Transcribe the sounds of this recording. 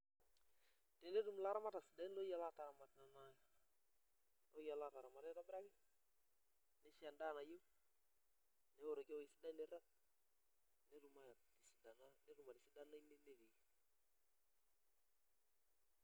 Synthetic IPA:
de˨ne˦du˨mla˦ɾa˦ma˦ta˨si˨da˦nlo˦ja˨la˦ta˨ɾa˨ma˨tna˨na˦ja | o˦ja˨la˦˨ta˨ɾa˨ma˨tɛ˦ta˦bɾa˦kɪ˦ | ne˦ʃɪ˦a˨nda˦˨na˨jo˦ | nɛ˦wo˨ɾo˨ke˦wɪ˨si˨˦da˦ne˨ɾa˦t̚ | ne˦du˨ma˨di˨si˨da˨na˦ne˦ɾu˨ma˨di˨si˦da˦na˦i˦ne˦ne˦di˨

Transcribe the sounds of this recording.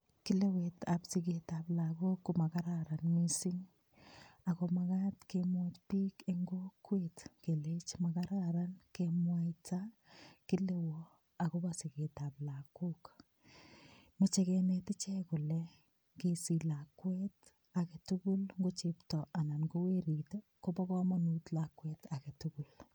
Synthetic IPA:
ki˦le˦we˨tapsike˨taplaku˦kːuma˨ka˦ɾaɾa˨nmisiŋ | a˨komaka˦tkemwat͡ʃpi˦keŋɡo˦kːwetke˨let͡ʃmakaɾaɾa˦nkemwa˦jtaki˦le˦wɔ | a˨kobasi˨ke˨ta˨pla˨kuk | mɔ˨t͡ʃekɛnɛtɪ˦t͡ʃɛ˦kʊ˨lɛ | kesi˨la˨kwɛt | a˨ke˨tuku˦lŋɡo˦t͡ʃeptɔ˨a˨na˨nɡo˦we˦ɾiteko˦ba˦kɔ˦manu˦tla˨kwɛta˨ke˨tuku˨l

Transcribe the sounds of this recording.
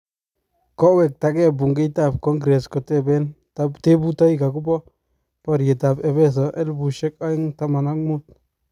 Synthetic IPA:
ko˦we˨k̚t̪a˨ke˦bu˨ŋɡe˦jt̪a˦˨b̚ko˦ŋɡɾe˨sko˨t̪e˦˨be˦n | t̪a˦bt̪e˦bu˦t̪a˦jka˨ku˦bo˦ | po˧ɾje˨t̪a˨be˨be˦s̬a˨ʔe˦lbu˨ʃe˦ka˦i˦ŋt̪a˦ma˨na˦kmu˦t̪̚

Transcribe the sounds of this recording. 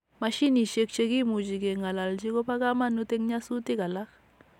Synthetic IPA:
ma˨ʃi˦ni˨ʃe˨kt͡ʃe˦ki˦mu˨d͡ʒi˨ɡe˨ŋa˨la˨ld͡ʒi˦ko˦pa˦ka˦ma˦nu˦te˦ŋɲa˦su˦ti˦ka˨la˦k

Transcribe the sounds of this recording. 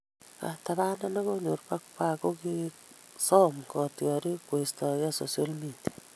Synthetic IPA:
a̰˨taβa˦na˦na˦ko˦ɲo˨ɾpa˦kpa˦ko˦ki | sɔ˦mkɔ˨tjɔ˨ɾi˦kwe˨stɔ˨ja˦so˨sja˦lmitja

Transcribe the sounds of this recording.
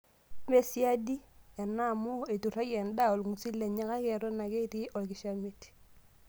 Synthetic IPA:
me˨si˦a˦di˦ɛ˨na˦˨mʊ˦e˨tu˨ra˦jɛ˨nda˦o˨lŋu˨si˦le˨ɲɛ˦ka˦kɛ˨ɾɔ˦na˨ke˦ti˦ʔɔ˨kɪ˨ʃa˦mi˦t

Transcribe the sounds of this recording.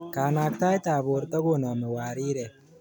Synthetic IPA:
kaː˨naː˨kt̪aː˦jt̪aː˨boː˨ɾt̪ɐ˦ɡo˦na˨mɪ˨waː˨ɾiː˦ɾe˨

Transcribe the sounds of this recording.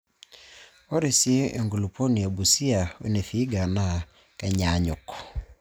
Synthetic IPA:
o˦ɾe˨si˦ʔḛ˨ŋɡu˨lu˨po˦ni˨o˨bu˨si˦a˨o̰˦ne˨θi˦ɡa˨na˨ | ka˨ɲa˨ɲo˨kɔ̥

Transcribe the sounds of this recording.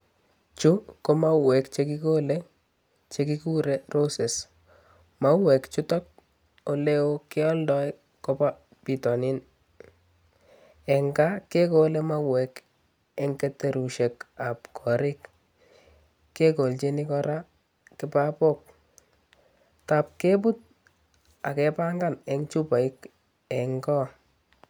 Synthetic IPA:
t͡ʃu˦ko˦ma˦wɛ˨kt͡ʃe˦ki˦ko˦le˦ | t͡ʃe˦ki˦ku˦ɾe˨ro˦se˨s | ma˦wɛ˨kt͡ʃʊ˦tɔ˦k̚ | o˨le˦o˦kɪ˦ɔ˦ldɔ˦j | kɔ˦pa˦ | pi˨tɔ˨nɪ˦n | ɛ˨ŋɡa˦ke˦ko˦le˦ma˦wɛ˨k | ɛ˦ŋke˦te˨ɾu˨ʃe˨ka˨pkʰɔ˨ɾɪ˦k | kːe˦ko˨lt͡ʃe˦ni˦kɔɾa˦ | kɪ˦pa˦po˦k̚ | ta˨p̚ke˦p̬u˦t̚ | a̰˨kɛ˨pa˦ŋɡa˦˨nɛ˦ŋt͡ʃu˦pa˨ɪ˦k | ɛ˨ŋɡɔ˦

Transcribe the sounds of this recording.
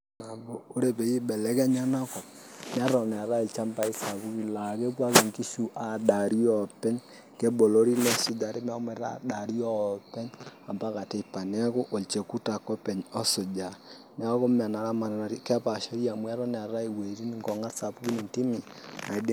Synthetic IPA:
na˨bo˦˨o˦ɾe˨pe˨ji˦bɛ˨lɛ˦kɛ˦ɲa˦na˦kɔ˨p̚ | n˦a˦ɾɔ˨n˨a˨ɾa˦i˨t͡ʃa˦mpa˦i˦sa˨pu˦ki˦la˨ke˦pwa˦ki˨ŋki˦ʃu˦ʔa˨da˨ɾi˦ɔ˦pɛ˦ɲ | kɛ˦bo˨lo˦ɾi˦nɛ˦sʊ˦d͡ʒa˨ɾe˦m˦a˦kʊ˦mɛ˨˦a̰˨da˨ɾi˦ɔ˦pɛ˦ɲa˨mba˦ka˨te˨pa˨nɛ˦kʊ˦ʔo˨lt͡ʃe˨ku˦ta˨kɔ˦pɛ˨ɲɔ˦sʊ˨d͡ʒa˨ | n˦a˦kʊ˦ma˨na˨ɾa˦ma˨n˨na˨ɾi˦kɛ˦pa˨ʃɔ˦ɾja˨mu˦a˦ɾɔ˦n˨a˨ɾa˦i˨we˨ɾi˦ni˨ŋkɔ˨ŋa˦tsa˨pu˦ki˦ni˨nti˦mi˨na˨˦d

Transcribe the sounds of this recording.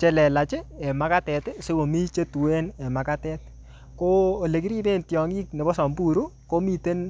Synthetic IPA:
t͡ʃe˨lɛ˨la˨t͡ʃe˦e˨ma˦ka˦tɛ˨tse˦ko˨mi˦t͡ʃe˦tu˨we˦ne˨ma˨ka˦tɛ˦t̚ | ko˦o˨le˨ki˦ɾi˦be˦ntjɔ˨ŋi˦kne˨bɔ˦sɔ˨mbu˦˨ɾu˦ko˦mi˨te˦n

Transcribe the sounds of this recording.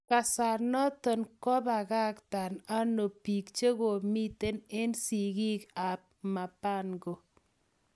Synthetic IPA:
ka˨sa˨nɔ˦tɔ˨nkɔ˦ba˨ɣa˦kt̪a˨na˦no˨pi˨kt͡ʃe˦ɡo˨mi˦t̪e˦ne˦nsi˨ɡi˦ka˨p̚ma˨pa˦nɡo˨

